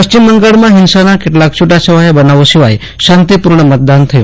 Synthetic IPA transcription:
pəʃt͡ʃimːəŋɡaɭmãɦɪnsanakeʈlakt͡ʃʰuʈat͡ʃʰəʋajebənaʋoʃiʋaj | ʃãnt̪ipuɾɳəmət̪̚d̪ant̪ʰəjṵ̃

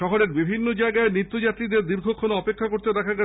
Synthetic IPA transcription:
ʃɔɦoɾeɾbibʱinːod͡ʑaeɡaenit̪ːod͡ʑat̪ɾid̪eɾd̪iɾɡʱokʰːonoɔpekʰːakoɾt̪ed̪ɛkʰaɡɛ

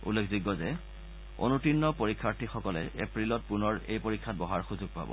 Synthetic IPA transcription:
ṵlːekʰziɡɔzɛ | o̰nutinːɔpoɹikʰːaɹtʰixɔkɔlɛ̰epɹilɔt̚punɔɹejpoɹikʰːat̚bɔɦaɹxuzuɡ̚pa̰bɔ̰

